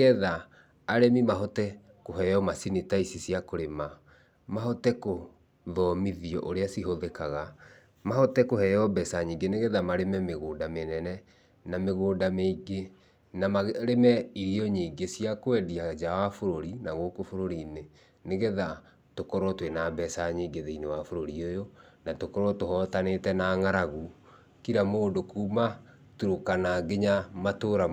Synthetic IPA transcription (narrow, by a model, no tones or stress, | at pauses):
ɛðaː | ɾemimaɦɔtɛ | koɦɛjɔmasinitaisisiakoɾema | maɦɔtɛko | ðɔmiðiɔ̰ʔoɾeasiɦoðekaɣa | mahɔtɛkoɦɛjɔbɛsaɲiːɡeneɣɛðamaɾemɛmeɣoːdamenɛnɛ | nameɣoːdameiɡe | namaɾemɛiɾiɔɲiɡesiakwɛdiad͡ʒawafoɾoɾinaɣokofoɾoɾine | neɣɛða | tokɔɾɔtwenabɛsaɲiɡeðeinewafoɾoɾiojo | natokɔɾwɔtohɔtanetɛnaŋaɾaɣu | kiɾamoːndokuma | tuɾokanaɡeɲamatoɾa